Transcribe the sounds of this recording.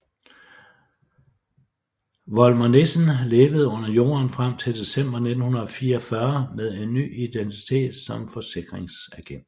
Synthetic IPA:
ʋɒlmɒne̝sn̩le̝ːʋəð̞̩ˠɔ̽n̰ɐjo̝̰ːɐnfʁam̰t͡sʰe̝ld̥e̝sem̰b̥ɐne̝d̥n̩hunɐð̩ˠɒ̽fiːɐɒfɶɐmeð̞ˠe̝nːy̰ːid̥ent͡sʰi̥t͡sʰe̝̰ːd̥sɒ̽mfɒ̽se̝ɡ̥ʁeŋsæɡ̥en̰

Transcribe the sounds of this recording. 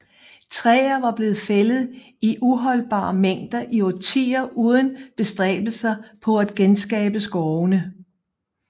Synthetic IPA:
t͡sʰʁɛ̰ːɐʋɑ̈b̥le̝ːð̩ˠfelð̞̩ˠ | iʔuɦɒ̽l̰b̥ɑ̰̈ːmeŋ̰d̥ɐʔiot͡sʰḭːɐʔuːð̞ˠən̩b̥e̝sd̥ʁɛ̰ːb̥l̩sɐpʰɒ̽æd̥̚ɡ̥ensɡ̥ɛ̰ːb̥əsɡ̥ɒʊnə

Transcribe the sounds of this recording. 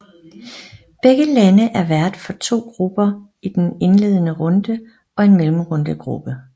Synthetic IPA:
b̥eɡ̥əlænəʔæɐʋæɐd̥fɒ̽t͡sʰo̝̰ːɡ̥ʁub̥ɐ | id̥ene̝nle̝ːð̞̰ˠənəʁɔ̽nd̥ə | ɒ̽e̝nmelm̩ʁɔnd̥əɡ̥ʁṵb̥ə

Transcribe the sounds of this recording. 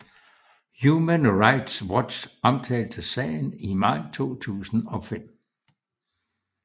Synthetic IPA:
jumənʁɑ̈ɪd̥swɒ̥ɕɒ̽mt͡sʰɛ̰ːld̥əsɛ̰ːɪn̩imɑ̈ɪ̰t͡sʰo̝̰ːt͡sʰṵːsn̩ɒ̽fem̰

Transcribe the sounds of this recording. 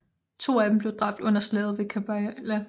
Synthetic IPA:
t͡sʰo̝̰ːæd̥em̩b̥le̝ʊd̥ʁɑ̈b̥̚d̥ɔ̽n̰ɐslɛːð̩ˠʋe̝kʰæb̥ælæ

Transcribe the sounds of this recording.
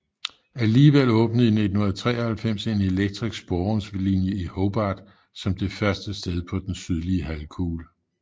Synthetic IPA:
æliːʋel̰ɔ̽ːb̥nəð̩ˠine̝d̥n̩hunɐt͡sʰʁɛ̰ːɐhælfem̰se̝ne̝leɡ̥̚d̥ʰʁisɡ̥sb̥ɒŋslinjəihob̥ɑ̈ːd̥ | sɒ̽md̥e̝fɶɐsd̥əsd̥eð̞ˠpʰɒ̽d̥ensyð̞ˠliəɦælkʰuːl

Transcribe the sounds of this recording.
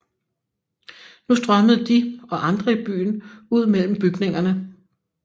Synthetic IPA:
nusd̥ʁɶməð̞̩ˠd̥iɒ̽ʔɑ̈nd̥ʁɐib̥y̰ːnuð̞̰ˠmel̰m̩b̥yɡ̥ne̝ŋɐnə

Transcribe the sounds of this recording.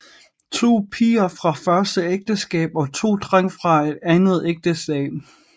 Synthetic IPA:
t͡sʰo̝̰ːpʰiːɐfʁɑ̈fɶɐsd̥əeɡ̥̚d̥əsɡ̥ɛ̰ːb̥ɒ̽t͡sʰo̝̰ːd̥ʁaŋ̰fʁɑ̈e̝d̥ænð̞̩ˠeɡ̥̚d̥əsɛ̰ːb̥

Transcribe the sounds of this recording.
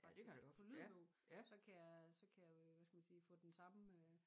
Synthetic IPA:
fɑ̥̈di̥fɒlyðˠb̥ɔʊ | sɒ̽kʰæjasɒ̽kʰæjäʋæsɡ̥æmænsiːfɔ̰̽ːd̥ensɑ̈mø

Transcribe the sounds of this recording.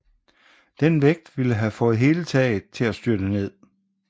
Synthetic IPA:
d̥enʋeɡ̥̚d̥ʋiləɦæfɔ̽ːð̩ˠɦe̝ːlət͡sʰɛ̰ːɪð̩ˠt͡sʰe̝læsd̥yɐd̥əne̝ð̞̰ˠ

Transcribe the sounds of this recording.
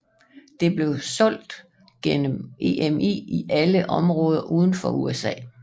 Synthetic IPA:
d̥e̝b̥le̝ʊsɒ̽l̰d̥ | ɡ̥enəmʔe̝ʔemḭːiʔæləʔɒ̽mʁɔ̽ːð̞ˠɐʔuːð̞ˠn̩fɒ̽uesɛ̰ː

